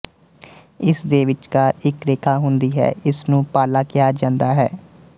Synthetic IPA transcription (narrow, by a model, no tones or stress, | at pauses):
ɪsd̪eːʋɪt͡ʃkaːɾɪkɾeːkʰaːɦʊnd̪iːɦɛ̰ːɪsnũːpaːlaːkɪjaːd͡ʒãːnd̪aːɦɛ̰ː